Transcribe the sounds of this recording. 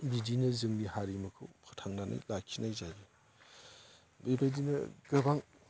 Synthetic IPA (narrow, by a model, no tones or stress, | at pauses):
bidinɐzɯŋnihaɾimɐkʰɯwpʰɯtʰaŋnanʔa̰jlakʰinajzabi | bebajdinɐ̰ɡɯbaŋ